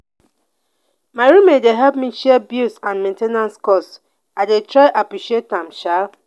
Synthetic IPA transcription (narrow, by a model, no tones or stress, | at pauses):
maɹimedeɦɛpmiʃɛbjusãnmẽntenãnskɔs | aɪdetɾaɪʔapɹiʃietãmʃa